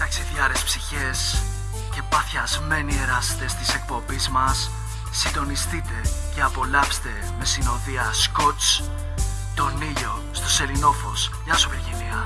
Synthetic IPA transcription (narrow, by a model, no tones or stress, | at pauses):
t̪ɐksiðʝɐɾespsiçes | ce̞pɐθçɐzme̞nie̞ɾɐse̥t̪e̞st̪i̥se̞k̚po̞bizmɐsː | ind̪o̞nist̪it̪e̞ce̞ɐpo̞lɐpst̪e̞ | me̞sino̞ðiɐsko̞t͡s | t̪o̞niʎo̞ | st̪o̞se̞lino̞fo̞sʝɐsoveɾʝiniɐ